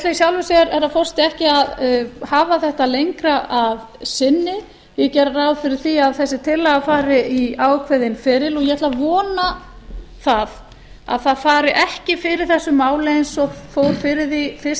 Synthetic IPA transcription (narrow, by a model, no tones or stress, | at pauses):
t̪laisjawlvʏsɛɾɛɾaðfɔr̥st̪ɛhcɪaðhaːvaθɛht̪alejŋkɾaʔav | sɪnːɪ | jɛcɛɾaɾaːwðfɪɾɪɾ̥θiaðθɛsːɪt̪ʰɪlːaɣafaːɾɪiaːwkʰvɛðɪnfɪɾɪlɔjɛɛt̪lavɔːna | θað | a̰ðθaðfaːɾɪʔɛhcɪfɪɾɪɾ̥θɛsːʏmːaːwlejɪnsɔfowɾ̥fɪɾɪðifɪs